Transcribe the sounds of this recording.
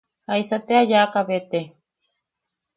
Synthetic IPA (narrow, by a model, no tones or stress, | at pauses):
haisat̪eajakaβet̪e